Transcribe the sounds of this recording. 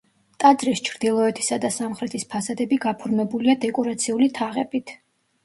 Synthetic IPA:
t̪ʼad̪zɾist͡ʃʰɾd̪̥ilˠɔɛt̪ʰi̥sad̪asamχɾɛt̪ʰispʰasad̪ɛbiɡapʰuɾmɛbuliad̪ɛkʼɔɾat̪sʰiulit̪ʰaʁɛbit̪ʰ

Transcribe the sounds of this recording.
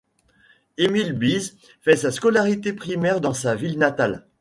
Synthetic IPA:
emilbiz | fɛsaskɔlaʁit̪epχimɛʁd̪ɑ̃savilnat̪al

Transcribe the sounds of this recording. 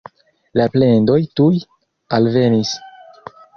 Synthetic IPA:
laple̞ndo̞jtuj | alve̞nis

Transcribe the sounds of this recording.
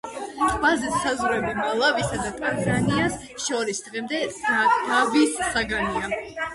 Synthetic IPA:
t̪ʼvazɛt̪ʰsazuɾɛbimalˠavisad̪at̪ʼanzanias | ʃɔɾisd̪̥ʁɛmd̪ɛd̪avisːaɡania

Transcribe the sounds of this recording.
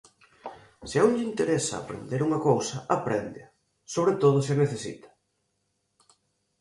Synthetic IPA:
sɪɛuŋʎint̪eɾesa̰ːpɾḛnd̪eɾuŋɐkowsɐʔapɾɛnd̪ɪɐ | soβɾet̪oð̞ʊs̬ɐneθesḭt̪ɐ̥

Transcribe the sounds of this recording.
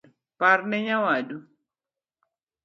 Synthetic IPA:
paɾnɛɲawadu

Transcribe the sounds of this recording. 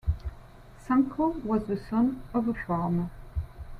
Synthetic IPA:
sãŋkʰowʌzðɨsʌ̃nʌvəfɑɹmə

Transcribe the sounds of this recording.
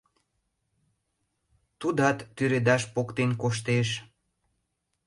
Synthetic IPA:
t̪ud̪ɑt̪ːyɾed̪ɑʃpokt̪enkoʃ̬t̪eʃ

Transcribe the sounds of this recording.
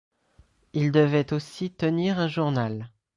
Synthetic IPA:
ild̪əvɛt̪osit̪əniʁɛ̃ʒuʁnal

